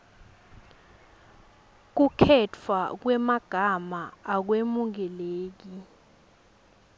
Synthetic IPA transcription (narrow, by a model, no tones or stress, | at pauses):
k̬ukʰɛtʰwak̬wɛmaɡ̥ʱamaak̬wemuŋɛleːk̬i